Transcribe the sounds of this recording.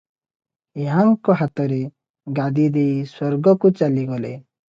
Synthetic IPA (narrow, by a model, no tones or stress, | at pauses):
eɦaŋkɔɦat̪ɔɾe | ɡad̪id̪eiswɔɾɡɔkut͡ʃaliɡɔle